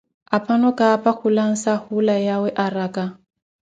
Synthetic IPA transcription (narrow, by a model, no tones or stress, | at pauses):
apʰʼanɔkʼaːpʼak͡xʰulaŋ̩sahulajawɛʔaraːkʼa